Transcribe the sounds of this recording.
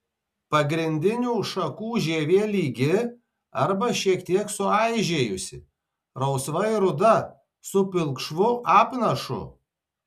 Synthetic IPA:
pɐɡɾʲɪnʲd̪ʲɪnʲuːʃɐkuːʒʲeːʋʲeːlʲiːɡʲɪ | ɐɾbɐʃʲiɛkt̪ʲiɛksʊɑɪʒʲeːjʊsʲɪ | ɾɐʊsʋɐɪɾʊd̪ɐ | sʊpʲɪlˠˑkʃʋʊʔɑːpnɐʃʊ̰

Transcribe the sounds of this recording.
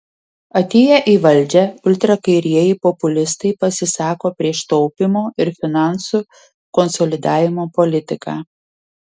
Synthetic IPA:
ɐt̪ʲeːjɛʔiːʋɐlʲˑd͡ʒʲɛʊlʲt̪ɾɐkɐɪɾʲiɛjɛpɔpʊlʲɪst̪ɐɪpɐsʲɪsɑːkoːpʲɾʲiɛʃt̪ɔʊpʲɪmoːɪɾfʲɪnɑˑnsuː | kɔnsɔlʲɪd̪ɑːʋʲɪmoːpɔlʲɪt̪ʲɪkɑː

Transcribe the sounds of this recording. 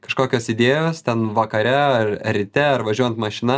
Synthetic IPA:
kɐʃkoːkʲoːsɪd̪ʲeːjoːst̪ʲɛnʋɐkɐɾʲɛɐɾɾʲɪt̪ʲɛɐɾʋɐʒʲuɔjɛnt̪mɐʃʲɪnɐ

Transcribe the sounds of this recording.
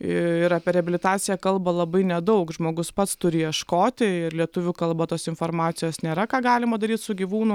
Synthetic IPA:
ɪɪɾɑːpʲɛɾʲɛɐbʲɪlʲɪt̪ɑːt̪sʲɪjɛkɐlˠbɐlˠɐbɐɪnʲɛd̪ɐʊkʒmoːɡʊspɐt̪st̪ʊɾʲɪjiɛʃkoːt̪ʲɪɪɾlʲiɛt̪ʊʋʲuːkɐlˠbɐt̪oːsɪnfoːɾmɑːt̪sʲɪjoːsnʲeːɾɐkɑːɡɑːlʲɪmɐd̪ɐɾʲiːt̪sʊɡʲiʋuːnʊ

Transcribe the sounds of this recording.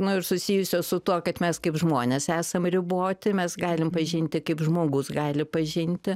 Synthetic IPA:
nʊɪɾsʊsʲiːjʊsʲoːsʊt̪uɔkɐt̪mʲɛskɐɪpʒmoːnʲeːsæːsɐmrʲɪboːt̪ʲɪmʲɛsɡɑːlʲɪmpɐʒʲɪnʲt̪ʲɪkɐɪpʒmoːɡʊsɡɑːlʲɪpɐʒʲɪnʲt̪ʲɪ

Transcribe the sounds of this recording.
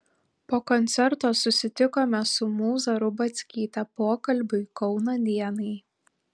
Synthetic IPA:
poːkɔnʲt̪sʲɛɾt̪oːsʊsʲɪt̪ʲɪkoːmʲɛsʊmuːzɐɾʊbɐt̪sʲkʲiːt̪ʲɐpoːkɐlʲbʲʊɪkɒʊnɐd̪ʲiɛnɐɪ

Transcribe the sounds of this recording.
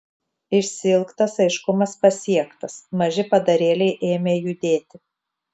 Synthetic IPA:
ɪʃʲsʲɪɪlˠkt̪ɐsɐɪʃkʊmɐspɐsʲiɛkt̪ɐsmɐʒʲɪpɐd̪ɐɾʲeːlʲɛɪʔeːmʲeːjʊd̪ʲeːt̪ʲɪ

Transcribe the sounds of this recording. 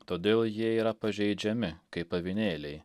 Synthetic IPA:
t̪oːd̪ʲeːlˠjiɛiːɾɐpɐʒʲɛɪd͡ʒʲɛmʲɪkɐɪpɐʋʲɪnʲeːlʲɛɪ

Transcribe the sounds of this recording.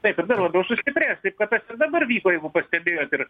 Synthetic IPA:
t̪ɐɪpɪrd̪ɐrʋˠɐd̪oːsʊsʲt̪ʲɪpʲɾʲæːst̪ɐɪp̚kɐt̪ɐsɪrd̪ɐbɐrʋʲiːkoːjɛɪɡʊpɐsʲt̪ʲɛbʲeːjoːt̪ɪr

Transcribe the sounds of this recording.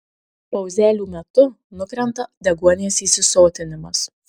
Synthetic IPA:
pɐʊzʲæːlʲuːmʲɛt̪ʊ | nʊkɾʲɛnt̪ɐd̪ʲɛɡuɔnʲeːsiːsʲɪsoːt̪ʲɪnʲɪmɐs

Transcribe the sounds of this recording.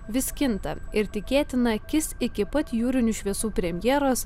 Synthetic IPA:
ʋʲɪsʲkʲɪnt̪ɐ̰ɪɾt̪ʲɪkʲeːt̪ʲɪnɐkʲɪsɪkʲɪpɐt̪juːɾʲɪnʲuʃʲʋʲiɛsuːpʲɾʲɛmʲjɛːɾoːs

